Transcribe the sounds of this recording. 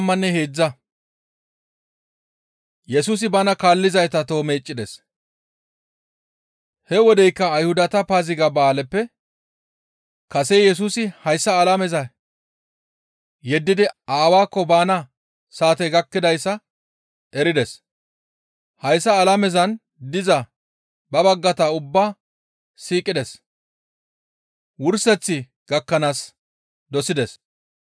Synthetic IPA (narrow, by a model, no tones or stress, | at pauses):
mːɐnːɛheːd͡zːɐ | jɛsuːs̬ɪbanɐkaːlːɪzɐjt̪ɐt̪o̞ːmeːt͡ʃʼːɪd̪ɛs | hɛwɔd̪ɛjkːɐːjhʊd̪ɐt̪ɐpaːzɪɡɐbaːlɛpːɛ | kɐsejɛs̬uːsɪhɐjsːɐːlɐmɛzɐ | jɛd̪ːɪd̪ɪaːwaːkːɔbaːnɐ | saːt̪ɛɡɐkːɪd̪ɐjsːɐ | ʔɛɾɪd̪ɛs | hɐjsːɐːlɐmɛzɐn | d̪ɪzɐ | bɐbɐɡːɐt̪aʊbːaː | siːkʼɪd̪ɛs | wʊɾsɛt͡sːɪ | ɡ̥ɐkːɐnaːs | d̪ɔsɪd̪ɛs